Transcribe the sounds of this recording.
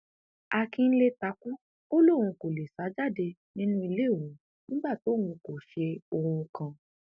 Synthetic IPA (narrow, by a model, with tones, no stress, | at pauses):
a˧kĩ˧n̩˦le˧ta˨˧˦ku˦ | o˦lo˦˨w̃ũ˧ko˨le˨sa˨˦d͡ʒa˦˨de˧nĩ˦nũ˦i˧le˦˨ũ˨˦ | nĩ˦ɡ͡ba˦˨to˨˦wũ˧ko˨ʃe˧o˧ɾũ˧kã˧